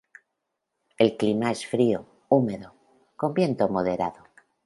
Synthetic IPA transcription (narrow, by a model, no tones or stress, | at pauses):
e̞lklimae̞sfɾio | ume̞ðo | ko̞mbje̞nt̪omo̞ðe̞ɾaðo